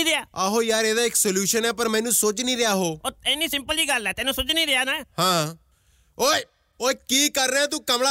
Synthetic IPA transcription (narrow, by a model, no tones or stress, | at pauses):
iɾɪaːaːɦoːjaːɾeːd̪aːɪksoljuːʃənɛːpəɾmɛ̃ːnũːsoːt͡ʃnĩːɾɪjaːɦoːoːɛːniːsɪmpəliːɡəlɛːt̪ɛːnũːsʊt͡ʃnĩːɾɪaːnɛːhãː | oː | oːkiːkəɾnɛ̃ːt̪̬ũːkəmɽaː